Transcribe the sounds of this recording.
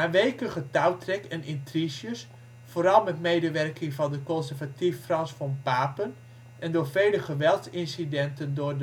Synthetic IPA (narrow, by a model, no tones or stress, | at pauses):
naːʋejkəχətawtrɛkɛnɪntrisjəs | foːɾɑlˠmɛtmejdəʋɛrkɪŋvɑndəkɔnsɛrvatifːrɑnsfɔmpaːpən | ʔɛndʊːɹvejləχəʋɛlˠtsɪnsidɛntəndʊrd